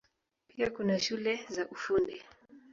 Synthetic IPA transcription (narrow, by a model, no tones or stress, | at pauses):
piakunaʃulɛzaʔufundi